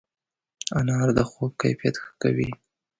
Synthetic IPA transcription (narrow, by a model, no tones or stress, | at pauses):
anɑɾd̪əxob̚ka̰jfijat̪xə̥kawi